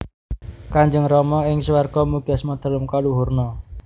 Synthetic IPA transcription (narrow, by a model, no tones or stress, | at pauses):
kaɲd͡ʒəŋrɔmɔɪŋsuwarɡ̥ɔmuɡ̥a̤smɔd̪̥ə̤ləmkaluɦurnɔ